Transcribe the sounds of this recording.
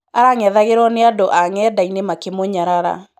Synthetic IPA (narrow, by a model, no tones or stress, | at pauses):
aɾaŋɛðaɣeɾɔneadoʔaŋɛːdainemakemoɲaɾaɾa̰